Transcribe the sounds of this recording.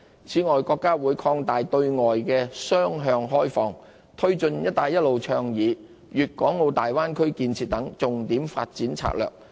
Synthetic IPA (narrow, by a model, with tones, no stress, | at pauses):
t͡sʰiː˨˥ŋɔː˨jkɔː˧kːaː˥wuː˨˧jkʰɔː˧ŋt̪aː˨jt̪ɵ˧ɥŋɔː˨˩jkɛː˧sœː˥ŋɦœː˧ŋɦɔː˥jfɔː˨ŋ | t̪ʰɵ˥ɥt͡ʃɵ˧njɐ˥t̚t̪aː˧jɐ˥t̚lo˨wt͡ʃʰœː˧ŋjiː˨˥ | jyː˨t̚kɔː˨˥ŋːo˨˧wt̪aː˨jwaː˥nkʰɵ˥ɥkiː˧nt͡sʰiː˨t̚t̪ɐ˨˥ŋt͡sʊ˨ŋt̪iː˨˥mfa̰ː˧t̚t͡siː˨˥nt͡sʰa̰ː˧k̚lœ̰ː˨k̚